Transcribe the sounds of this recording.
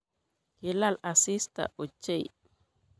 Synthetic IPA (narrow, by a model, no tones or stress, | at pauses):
kilalasista̰ʔɔt͡ʃej